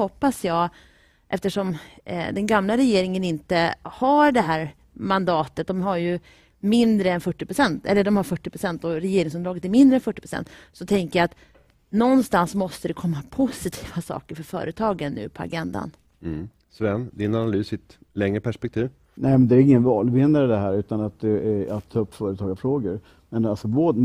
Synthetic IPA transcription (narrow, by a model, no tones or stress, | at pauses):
hɔpːasjɑːɡ | ʔɛft̪əʂɔmd̪ɛnɡamlaɾɛjeːɾɪŋənɪnt̪əhaɖɛɦæːɾ | mand̪ɑːt̪ət̪̚d̪ɔmɦaɾjɵ | mɪnd̪ɾəɛnfœʈːɪpɾʊsɛnt̪ɛ̰lːəɖɔmhaɾfœʈːɪpʰɾʊsɛnt̪ɔɾɛjeːɾɪŋsɵnd̪ɾɑːɡət̪æɾmɪnd̪ɾəɛnfœʈːɪpʰɾ̥ʊsɛ̰nt̪ːsɔt̪ʰɛŋkəjaat̪ | nɔnst̪ansmɔst̪əd̪ɛkʰɔmːapʰʊsɪt̪ʰi̥ːvasɑ̰ːkəɾfœɾfœ̰ːɾʔət̪ʰɑːɡənːʉ̟̰ːpʰɔa̰ɡɛnd̪a̰n | svɛnd̪ɪnanalyːsɪt̪ | lɛŋɾəpʰæʂpɛk̚t̪ʰiːv | nɛmɛnd̪ɛæːɾɪŋːənvɑːlvɪnːaɾəd̪ɛɦæːɾʉ̟ːt̪anat̪̚d̪ɛa̰t̪ʰːɑɵpːfœːɾət̪ʰɑːɡafɾoːɡəɾ | mɛnalsɔvoː